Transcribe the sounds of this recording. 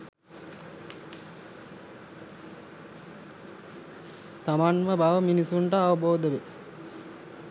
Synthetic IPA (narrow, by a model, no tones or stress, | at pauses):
t̪amanməbaʋəminisuɳʈəaʋəboːd̪əʋe